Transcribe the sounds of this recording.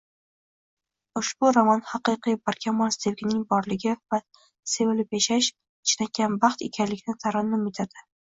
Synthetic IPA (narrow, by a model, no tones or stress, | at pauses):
ʊʃbʊɾamɒnhɑqɨqijbaɾkʲʰamɒnst̪ʰevɡʲɪnɪŋbɒɾlɪɡʲɪva | se̞vɪlɪpjaʃaʃ | ɪt͡ʃʰnakʲːanbɑχt̪ḛkʲʰanlɪkʲnɪt̪ʰaɾɪnːɪmɪt̪ʰad̪̥ɪ